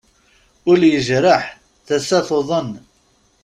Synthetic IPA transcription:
ʊljəʒɾəħ | θæsæfoðˤən

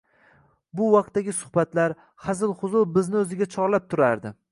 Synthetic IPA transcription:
bʊwɑq̚t̪ːaɡʲɪsʊ̥χbat̪laɾ | χazɪlˠχʊzʊbɪznɪɵzɪɡʲat͡ʃʰɒɾlap̚t̪ʰʊɾaɾd̪ɪ

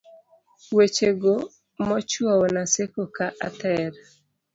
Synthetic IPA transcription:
wet͡ʃeɡo | mɔt͡ʃwɔwɔnasekokaʔa̰t̪ɛɾ

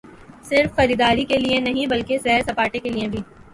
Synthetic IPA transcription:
sɪɾfːɐɾiːd̪aːɾikelienɐɦĩbɐlkesɛɦɾsɐpaːʈekeliebʱiː

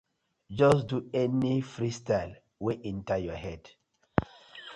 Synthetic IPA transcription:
d͡ʒɔsduɛnifɹistaɪl | weʔĩntəjɔhɛd̥

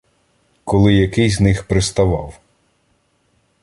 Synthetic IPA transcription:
kɔlˠɪjɐkɪjznɪxpɾɪst̪ɐʋɑ̰w

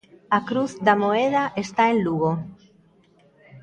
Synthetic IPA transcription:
akɾuθd̪amoeð̞aʔest̪aenluɣo

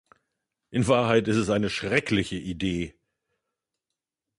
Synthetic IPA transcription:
ʔɪnvaːɐɦaɪtɪstɛsaɪnəʃʁ̥ɛklɪçəʔideː

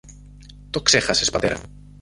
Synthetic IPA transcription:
t̪okseχasespat̪eɾa̰

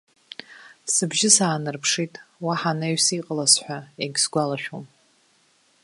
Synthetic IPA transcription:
sɨbʒɪsaːnɨrpʰʂitʼwaħanaɥsiqʼəlasħʷᶣaeɡʲsɡʷalaʃᶣom

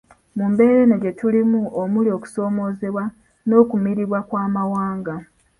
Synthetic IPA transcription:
muːmbe̞ːɾeneɟe̞tulimuomulio̞ːku̥so̞ːmo̞ːze̞βwa | no̞ːkumiɾiβwakwaːmawaːŋɡa

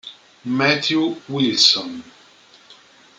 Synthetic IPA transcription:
mɛtjuwilsɔ̃n

